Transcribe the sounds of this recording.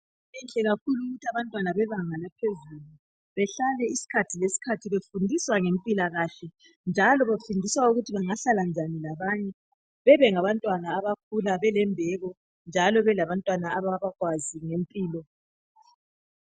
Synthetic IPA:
ɛnɬɛɣakʰuluɣutʰiaβantʼwanaβɛβaŋalapʰezulu | βɛɬalɛisi̥kʰatʰilesi̥kʰatʰiβefundʱiswaŋempʼilaɣaɬɛ | nd͡ʒʱalɔβafundʱiswauɣutʰiβaŋaɬaland͡ʒʱanilaβaɲɛ | βɛβɛŋaβantʼwanaːβak̚ʰulaβɛlɛmbʱɛɣɔ | nd͡ʒʱalɔβɛlaβantʼwanaaβaβaɣwaziŋempʼiːlɔ

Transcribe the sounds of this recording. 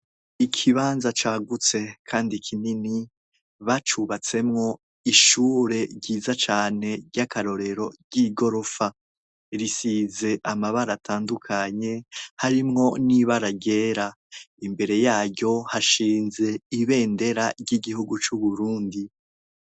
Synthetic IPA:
ikʰiβaːnzat͡ʃaːɡut͡se̞kʰaːndikʰinini | βat͡ʃuβat͡se̞mŋo̞ | iʃuːɾe̞ɟiːzat͡ʃaːne̞ɟakaɾo̞ɾe̞ɾo̞ɟiɡo̞ɾo̞fa | iɾisize̞ʔamaβaɾatʰaːndukʰaɲe̞haɾimŋo̞niβaɾaɟe̞ːɾa | imbe̞ɾe̞jaːɾɟo̞haʃiːnze̞iβe̞ːnde̞ɾaɾɟiɡihuɡut͡ʃuβuɾuːndi

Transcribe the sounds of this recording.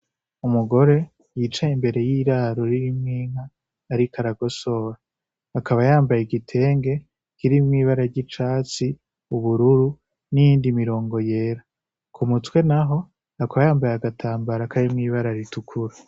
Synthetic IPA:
umuɡo̞ɾe̞ | jit͡ʃaimbe̞ɾe̞jiɾaɾoɾiɾimŋiːŋ̥haː | ɾikʰaɾaɡo̞so̞ɾaː | kʰaβajaːmbajeɡitʰe̞ːŋɡe̞ | kiɾimŋiːβaɾaɾɟit͡ʃaːt͡si | uβuɾuɾu | nijiːndimiɾo̞ːŋɡo̞je̞ːɾa | kʰumut͡swe̞naɦo̞ | akaβajaːmbajaɡatʰaːmbaɾakʰaɾimŋiβaɾaɾitukʰuɾa

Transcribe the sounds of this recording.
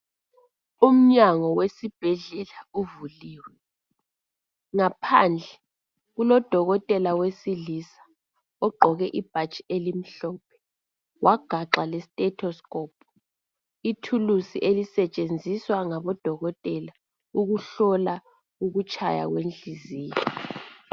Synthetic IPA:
um̩ɲaŋɔwesib̥ʱɛɮɛlauvuliːwɛ | ŋapʰa̰nd͡ɮʱɛ | ɣulɔd̥ʱɔɣɔtʼɛlawesilisḁ | ɔɡ͡ǃʱɔɣɛʔib̥ʱat͡ʃʼi̥elim̩ɬɔːp̚ʰɛ̥ | wʔaɡ̥ʱaǁalɛsitʼɛtʰɔskʼɔːpʰʼɔ̥ | itʰulusiʔelisɛt͡ʃʼend͡zʱiswaŋaβɔd̥ʱɔɣɔtʼɛla | uɣuɬɔla | uɣut͡ʃʼʰa̰ja̰ɣwend͡ɮʱiziːjɔ

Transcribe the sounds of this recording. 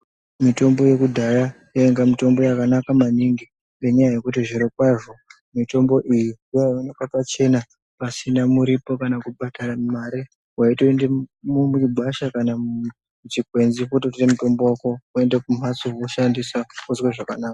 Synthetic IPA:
mito̞mbo̞je̞kudʱajajaeŋɡamito̞mbo̞jakanakamaniŋɡi | eɲajaje̞kutiʐiɾokwaʐo̞ | mito̞mbo̞ʔijioaonakapat͡ʃe̞na | pasinamuɾipo̞kanakuɓataramaɾe | waitoendemumiɡʱaʃakana | ut͡ʃipwe̞nzikutotiremuto̞mbowako̞ue̞ndekum̤asooʃandisakuzweʐakanaːka

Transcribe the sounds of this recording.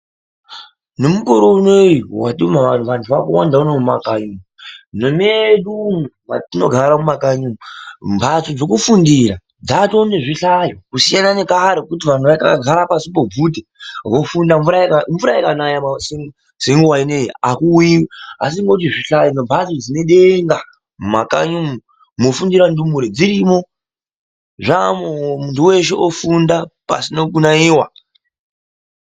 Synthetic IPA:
nemukoɾounejiwa̰tumaʋan̤uʋantʰuʋakuwandaunemumakaɲumunomeɗumuwatino̞̰ɡʱaɾamumakaɲumumbʱat͡sod͡zo̞kufundiɾa | d͡zatoneʐiɬajokusijanane̞kaɾokut̬iʋan̤uʋakaɡʱaɾapasipob͡vutewofundaɱvuɾakaɱvuɾajekanajamse | seŋɡuwaineakuiwa̰s̬iŋɡot̬iʐiɬajonobʱazid͡zine̞ɗeŋɡa | ma̰ka̰ɲumu | mofundiɾandumuɾed͡ziɾimo̞ | ʐamomuntuwe̞ʃeʔofundapa̰sinokunaiːwa̰

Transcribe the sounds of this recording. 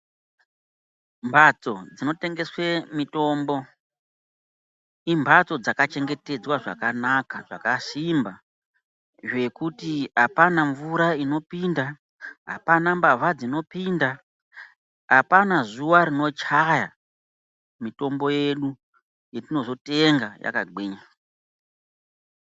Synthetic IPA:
mbʱat͡so̞d͡zino̞te̞ŋɡe̞swe̞mito̞ːmbo̞ | imbʱat͡so̞d͡zakat͡ʃe̞ŋɡe̞te̞d͡zwaʐa̰kanakaʐ̥a̰kasimba | ʐe̞kutiɦapanaɱvuɾaino̞pinda | ɦa̰panambavad͡zino̞pinda | ɦapanazuʋaɾino̞t͡ʃaja | mito̞mbo̞je̞ɗu | jetino̞zo̞te̞ŋɡaja̰kaɡ͡biːɲa

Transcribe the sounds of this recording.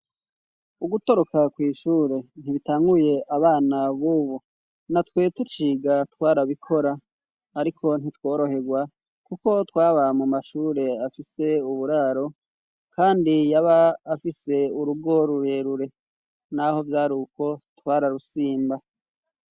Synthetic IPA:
uɡuto̞ɾo̞kakwiːʃuːɾe̞n̥iβitaːŋɡuje̞ʔaβaːnaβuβu | natwe̞ːtut͡ʃiːɡatwaːɾaβikʰo̞ɾaː | ɾikʰo̞n̥itwo̞ːɾo̞he̞ɡwa | kuko̞twaːβamumaʃuːɾe̞afise̞uβuɾaːɾo̞ | kaːndijaβaːfise̞uɾuɡo̞ɾuɾe̞ɾuɾe̞ | naho̞vjaɾuko̞twaːɾaɾusiːmba

